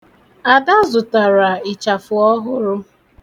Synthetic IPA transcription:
a˨da˦zʊ˨ta˨ɾa˨ɪ˨t͡ʃa˨fʊ˨ɔ˦ɦʊ˦ɾʊ˦

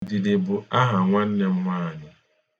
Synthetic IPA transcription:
dɪ˨dɪ˨bʊ˨a˦ɦa˨ŋʷa˦n̩˦ne˦m̩˦mʷaː˦˨ɲɪ˨

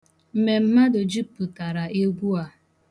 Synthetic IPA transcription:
m̩˨me˨m̩˦ma˦dʊ˨d͡ʒi˦pʊ˨ta˨ɾa˨ʔe˦ɡʷu˦a˨

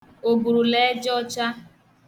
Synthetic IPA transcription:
o˨ɡu˨ɾu˨le˦d͡ʒɔ˦t͡ʃa˦

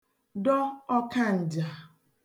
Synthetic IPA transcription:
dɔ˦ɔ˦ka˦˨n̩˨d͡ʒa˨

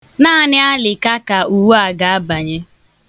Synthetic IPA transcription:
naː˦˨nɪ˦a˦lɪ˨ka˦ka˨u˨wu˦a˦˨ɡa˨a˦ba˨ɲe˦

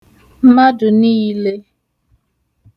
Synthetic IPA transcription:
ma˦dʊ˨ni˦i˦le˦

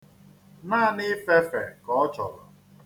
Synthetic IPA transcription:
naː˦˨nɪ˦fe˦fɛ˨kɔ˦ɔ˦t͡ʃɔ̰˨lɔ̰˨

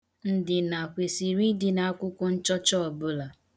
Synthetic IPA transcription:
n̩˦dɪ˨na˨kʷe˨si˨ɾi˦dɪ˨na˨a˦kʷʊ˦kʷʊ˦n̩˦t͡ʃɔ˦t͡ʃɔ˦ɔ˨bʊ˦la˨

